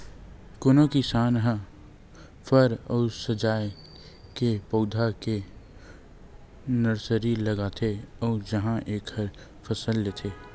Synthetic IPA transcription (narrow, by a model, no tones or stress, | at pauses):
konokisaːnɦã | pʰəɾɔːsəd͡ʒaːj | kepoːd̪ʱake | nəɾsəɾiləɡat̪ʰeɔːd͡ʒəɦãʔeːkhəɾ | pʰəsəljət̪ʰeː